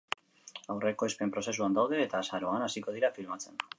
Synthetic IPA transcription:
awre̞ko̞espempɾo̞se̞suand̪awðe̞ːt̪aːsaɾo̞anasiko̞ð̞iɾafilmat͡se̞n

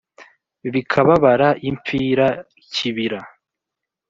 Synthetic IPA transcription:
βikʰaβaβaɾaʔimp͡fiːɾa | cʰiβiɾa

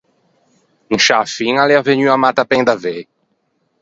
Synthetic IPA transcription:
ũŋʃafĩŋaleaveɲuamat̪apẽŋd̪ave

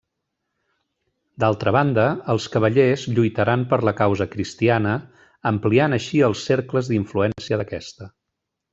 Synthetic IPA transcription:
d̪alˠt̪ɾəβ̞and̪əːlˠskəβ̞əʎezʎujt̪əɾampəɾləkawzəkɾist̪ianə | əmplianəʃiəlˠsːeɾkləzðiɱfluɛnsiəðəkɛst̪ə

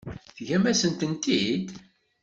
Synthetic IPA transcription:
θʝæmæsənt̪ənt̪id̪

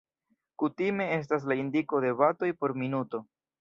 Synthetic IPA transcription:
kutime̞e̞s̬tas̬laindiko̞de̞vato̞jpo̞ɾminuto̞

